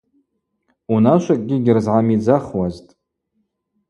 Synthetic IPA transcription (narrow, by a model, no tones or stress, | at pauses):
unaʃʷakʼɡʲɪɡʲɪrzʕamid͡zaχwaztʼ